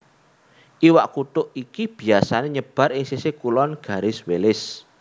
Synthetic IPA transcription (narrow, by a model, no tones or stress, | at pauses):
ʔiwaʔkut̪ʊʔikib̥i̤asaneɲəb̥a̤ɾɪŋsisekulɔnɡ̥a̤ɾɪswelɪs